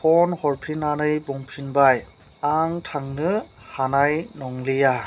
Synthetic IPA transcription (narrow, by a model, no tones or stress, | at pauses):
pʰɔnhɔɹpʰinanɯjbɔŋpʰinbaj | aŋtʰaŋnɯ | hanajnɔŋlija